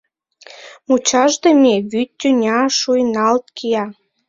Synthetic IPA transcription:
mut͡ɕɑʒd̪emeβyt̪ʲːynʲɑʃujnɑlt̪kʰijɑ

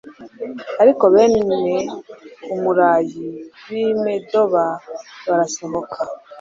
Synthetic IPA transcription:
aɾiko̞βeːnne | umuɾaːjiwimedo̞βaβaɾaso̞βo̞kʰa

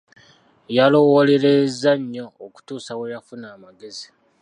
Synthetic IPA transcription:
jalo̞wole̞ɾezːaɲːo̞ːku̥tuːsawejafunaːmaɡe̞zi

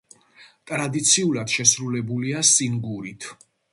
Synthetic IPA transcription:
t̪ʼɾad̪it̪sʰiulad̪̥ʃɛsɾulɛbuliasiŋɡuɾit̪ʰ

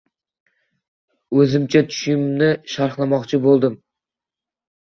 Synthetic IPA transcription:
ɵzɪmt͡ʃʰat̪ʰʊ̥ʃɪmnɪʃɑɾχlˠamɒqt͡ʃʰɪbolˠd̪ɪm

